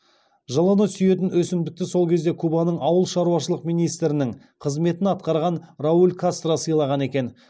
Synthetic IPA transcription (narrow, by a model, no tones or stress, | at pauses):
ʒɑlˠɑnəsʏje̞t̪ɪnwɵsɪmd̪ɪk̚t̪ɪso̞lˠkʲʰe̞zd̪e̞kʰubɑnəɴɑwəlˠʃɑɾuwɑʃəlˠəqmijnijst̪ɾɪnɪŋ | qʰəzme̞t̪ɪnɑt̪̚qɑɾʁɑnraulʲkʰast̪rasəjlˠɑʁɑne̞kʲe̞n